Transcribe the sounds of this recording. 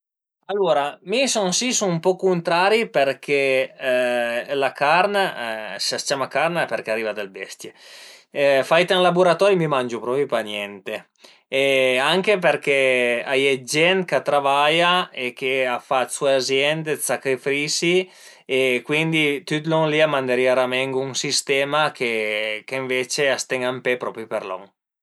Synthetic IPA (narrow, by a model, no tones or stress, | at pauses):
alːoːɾamisɔnsisunumpɔkunt̪ɾaɾiperkʰe | lakaɾnasest͡ʃamakaɾnapeɾkeariːvad̪elbɛst̪je | fajt̪aŋlabuɾat̪ɔːɾjimimand͡ʒupɾɔːpjupanjɛnt̪e | eaŋkep̬erkea̰jɛd͡ʒɛnt̪kat̪ːɾavajaekeafat̪sueazjɛnd̪esakɾefɾisi | ekwind̪it̪yt̪lɔŋliamand̪eɾiaɾamɛŋɡuŋsist̪ɛːmakekeɱvet͡ʃeast̪ɛŋampepɾɔpɾjupeɾlɔ̰ŋ